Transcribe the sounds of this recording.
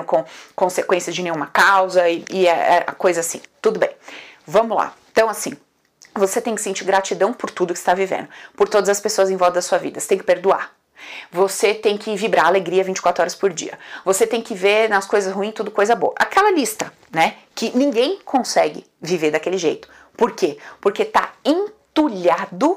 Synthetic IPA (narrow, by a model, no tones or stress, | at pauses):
kõkõsekwẽsjɐzd͡ʒɪnẽj̃ũmɐkawzɐɪɪɛɛ̰ɐ̰kojzɐasḭ̃t̪ud̪ʊbḛ̃j̃vɐ̃mʊlã̰t̪ɐ̃w̃asĩ | voset̪ẽj̃kɪsẽnt͡ʃiɾɡɾat͡ʃid̪ɐ̃w̃pʊɾt̪ud̪ʊkɪ̥st̪avivḛ̃nd̪ʊpoɾt̪od̪ɐzɐspesoɐzẽj̃vɔd̪ɐd̪ɐsuɐvḭd̪ɐse̥t̪ẽj̃kɪpeɾd̪ua̰ɾ | voset̪ẽj̃kɪvibɾaaleɡɾiɐvĩt͡ʃɪ̥kwat̪ɾʊɔɾɐspoɾd͡ʒḭɐ̰voset̪ẽj̃kɪveɾnɐskojzɐshuĩt̪ud̪ʊkojzɐbo̰ɐʔakɛlɐlist̪ɐ | nɛkɪnĩŋɡẽj̃kʰõsɛɡɪ̰ | viveɾd̪akelɪʒejt̪ʊ̥ | poɾkepoɾket̪a̰ẽt̪uʎad̪ʊ